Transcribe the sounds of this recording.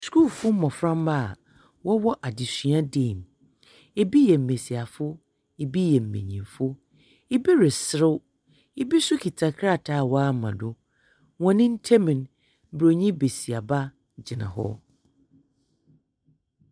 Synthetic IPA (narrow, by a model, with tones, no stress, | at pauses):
sku˦˨lfʊ˦m̩˦mɔ̃˨fɾã˦mba˦˨ | wɔ˦wɔ˦ʔa˨dɪ˨sɥã˦dẽ˦˨m | e˦bi˦jɛ˨m̩˨ẽ˨si˨a˨fʊ˦ | e˨bi˦jɛ˨m̩˨mḛ̃˨ɲĩ˨mfʊ˦ | i˦bi˦ɾɪ˨sɪ˦ɾɪ˦w | ɪ˦bi˦sʊ˦kʰi˨tʰa˨kʰɾa˦˨tʰa˨wɔ˦a˦mã˨dʊ˦ | wɔ̃˨nɪ̃˦n̩˦tʰɛ˦mɪ̃˨n˦ | bɾo˨ɲĩ˦be˨si˨a˨ba˦ | d͡ʑɪ˨nã̰˨ɦɔ̰˦